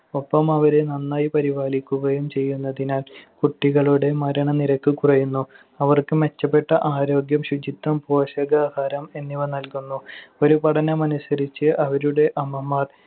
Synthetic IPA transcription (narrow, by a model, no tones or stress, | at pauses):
o̞pːɐmɐʋɐɾenɐnːaːjipɐɾiʋaːlikʲːuɣɐjumt͡ɕe̞jːunːɐðinaːlkuʈːiɣɐɭuɽe̞mɐɾɐɳɐniɾɐkːɨkurɐjunːu | ɐʋɐrkɨme̞t͡ɕːɐpːe̞ʈːɐʔaːɾo̞ːɡjɐmɕud͡ʑit̪ːɐmpo̞ːɕɐɡaːhaːɾɐme̞nːiʋɐnɐlkunːuo̞ɾupɐɽɐnɐmɐnusɐɾit͡ɕːɨʔɐʋɐɾuɽe̞ʔɐmɐmːaːd̪